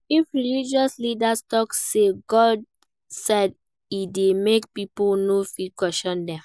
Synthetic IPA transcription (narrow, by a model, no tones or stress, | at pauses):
ifɹilid͡ʒɔslidastɔkseɡɔd | sɛd | idemekpiponofikwɛʃɔ̃ndɛ̃